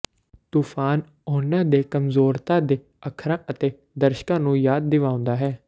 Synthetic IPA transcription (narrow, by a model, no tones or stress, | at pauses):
t̪uːfʰaːn | oːnãːd̪eːkəmzoːɾt̪aːd̪eː | əkʰɾãːʔət̪eː | d̪əɾʃkãːnũːjaːd̪̚ːɪʋaːʊ̃nd̪aːɦɛː